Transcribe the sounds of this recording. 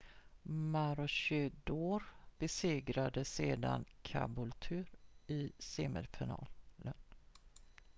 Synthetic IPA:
maɾɔɕʏd̪oːɾb̥ɛseːɡɾad̪əseːd̪a̰nkʰa̰bʊlt̪ʰʉ̟ːɾɪseːmə̰lfɪnɑ̰ːlən

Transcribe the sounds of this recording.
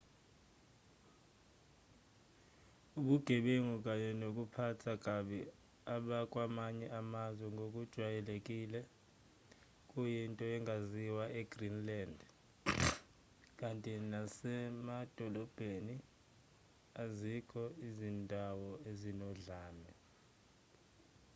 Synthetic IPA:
uɓuɡ̥ʱɛɓeŋuk̬ʼaɲɛnok̬ʼupʰatʰak̬ʼaɓɛ | aɓakʼwamaɲɛʔamazwɛŋɡʱok̬ʼud̥ʒ̥ʱwajɛlek̬ʼiːlɛ | kʼujintʼɔɛŋaziwaʔɛɡ̥ʱrinland | k̬ʼantʼinasɛmad̥ʱɔlɔb̥ʱeni | azikʰɔizindʱawɔezinɔɮaːlɛ

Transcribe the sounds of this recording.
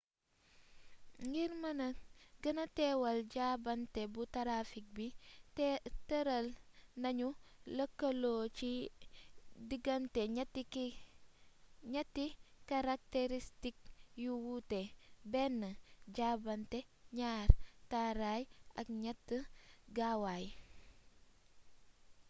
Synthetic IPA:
ŋɡiɾmɐnɐɡənɐtewɐlɟabɐntebutaɾafik̚bitteɾalnɐɲulɐkɐloːt͡ʃi | diɡanteɲti | ɲɐtːikaɾak̚teɾistik̚juwutebɛnːəɟabɐnteɲaɾtaɾajʔɐkɲɐtːəɡawaj

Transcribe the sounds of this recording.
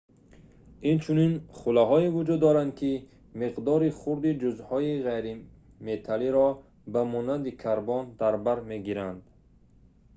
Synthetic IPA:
int͡ʃʰuninχulaɦɔivud͡ʒud̪ːɔɾand̪̚kʰi | miqd̪ɔɾiχuɾd̪id͡ʒuzhɔiʁejɾi | met̪ʰaliɾɔ | bamɔnand̪ikʰaɾbɔnd̪aɾbaɾmeɡiɾand̪

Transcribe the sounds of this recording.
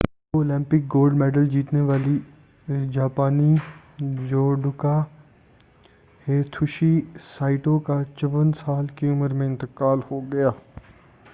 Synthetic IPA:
oːlɪ̃mpɪk̚ɡoːlɖmɛːɖəld͡ʒiːt̪neʋaːli | d͡ʒaːpaːni | d͡ʒoːɖʊka | heːt̪ʰʊʃisaːɪʈõkat͡ʃəʋənsaːlkiʊməɾmẽɪ̃nt̪ɪkaːlhoɡɐjaː

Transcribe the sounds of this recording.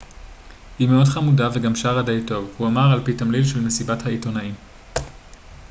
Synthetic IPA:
himeo̞dχamudaveɡamʃaʁadejto̞vhuamaʁalpitamlidʃelmesibathaito̞naim

